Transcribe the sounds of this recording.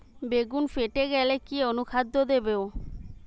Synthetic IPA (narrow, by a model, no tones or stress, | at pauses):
beɡunfeʈeɡɛlekionukʰad̪ːod̪ebeo